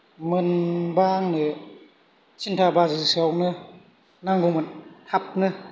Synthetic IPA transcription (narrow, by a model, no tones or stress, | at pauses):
mɯnbaŋnɯ | t͡ʃʰintʰabazɯsiawnɯ | naŋɡumɯntʰap̚nɯ